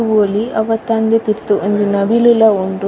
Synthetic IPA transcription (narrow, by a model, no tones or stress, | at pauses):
oːliɐʋɐt̪ːaːnd̪et̪iɾt̪uʔɐnd͡ʒinɐbilulɐuɳʈu